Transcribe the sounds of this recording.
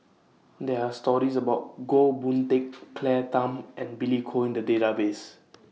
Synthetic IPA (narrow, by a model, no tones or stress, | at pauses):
dɛastɔɹisəbaʊt̚ɡobũntekːlɛtãmʔɛ̃nbilikʰoĩndədetabes